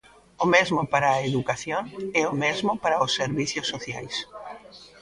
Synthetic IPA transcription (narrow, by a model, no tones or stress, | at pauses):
ʊmezmʊpaɾɐeðukaθjoŋɛʊmezmʊpaɾaʊsːeɾβiθjʊsːoθjajs